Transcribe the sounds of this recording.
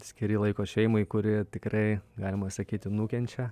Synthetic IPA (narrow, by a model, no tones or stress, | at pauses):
sʲkʲɪɾʲɪlˠɐɪkoːʃʲɛɪmoɪkʊɾʲɪt̪ʲɪkrɐɪɡɑːlʲɪmɐsɐkʲiːt̪ʲɪnuːkʲɛnʲt͡ʃʲɛ